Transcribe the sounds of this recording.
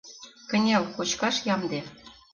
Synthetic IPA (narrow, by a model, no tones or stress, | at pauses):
kə̆nʲælkot͡ɕkɑʃjɑmd̪e